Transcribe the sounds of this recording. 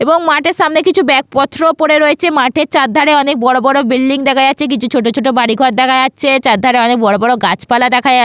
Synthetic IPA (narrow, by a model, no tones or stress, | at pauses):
eboŋmaʈeɾʃamnekit͡ɕʰubɛk̚pɔt̪ːɾopoɽeɾoet͡ɕʰemaʈeɾt͡ɕad̪ʱaɽeɔnek̚bɔɽobɔɽobilːiŋd̪ɛkʰaeatːt͡ɕʰek̬it͡ɕʰut͡ɕʰoʈ̬ot͡ɕʰoʈobaɽiɡʱɔʈ̚d̪ɛkʰaeaːt͡ɕʰet͡ɕad̪ʱaɽeɔnek̚bɔɽobɔɽoɡat͡ɕpalad̪ɛkʰae